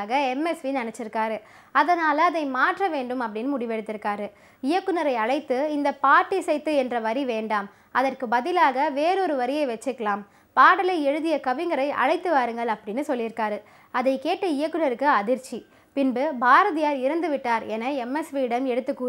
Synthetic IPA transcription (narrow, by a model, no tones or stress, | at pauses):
ɣɐɛmɛsʋinɐnɛt͡ʃːɪɾɯkːaːɾɯ | ɐðɐnaːlɐːðɐɪmaːʈrɐʋeːɳɖɯmɐpːɐɽɪnːɯmʊɽɪʋɛɽɯt̪ːɪɾɯkːaːɾɯ | ɪjɐkːɯnɐɾɐɪɐɻɐɪt̪ːɯɪnd̪ɐpaːʈːisɛɪt̪ːɯɛndrɐʋɐɾiʋeːɳɖaːm | ʔɐðɐrkɯbɐðɪlaːɣɐʋeːɾɔɾɯʋɐɾɪjɐɪʋɛt͡ʃːɯkːɐɭaːm | paːɽɐlɐɪɛɻɯðɪjɐkɐʋɪŋɡɐɾɐɪʔɐ̰ɻɐɪt̪ːɯʋaːɾɯŋɡɐɭɐpːɐɽɪnːɯsɔlːɪɾɯkːaːɾɯ | ɐðɐɪkeːʈːɐɪjɐkːɯnɐɾɯkːɯɐðɪɾt͡ʃːi | pɪnbɯbʱaːɾɐðɪjaːɾɪɾɯnd̪ɯʋɪʈːaːɾɛnɐɛmɛsʋiɪɽɐmɛɽɯt̪ːɯkːuː